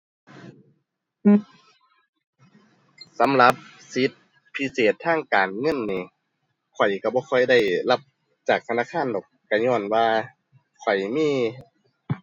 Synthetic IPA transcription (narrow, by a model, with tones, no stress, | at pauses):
sa˨˦mla˧˦p̚si˧˦t̪̚ | pʰi˧˥seː˨˩t̪ʰːaː˧˥˩ŋkaː˨˩nŋɤ˧˥˨nːiː˧˩ | kʰɔ˨˩jka˧˩bɔː˧kʰɔ˧˩jda˧˥˩jla˧p̚ | t͡ɕaː˨˩k̚t̪ʰa˧naː˧˥˨kʰaː˧˥˨ndɔː˨˩k̚ka˧˩ɲɔː˧˥˩nwaː˧ | kʰɔ˨˩jmiː˧˥˨